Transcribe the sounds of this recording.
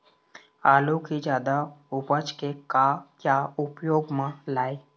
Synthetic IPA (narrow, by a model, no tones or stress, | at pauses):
aːlukid͡ʒjaːd̪aʊpət͡ʃkekakjaːʊpjoːɡmãlaːe